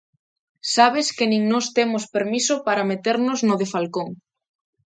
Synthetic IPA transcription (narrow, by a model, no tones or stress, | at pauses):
saβ̞eskɪnĩŋnɔst̪emospeɾmisʊpaɾamet̪eɾnʊznʊðefalkoŋ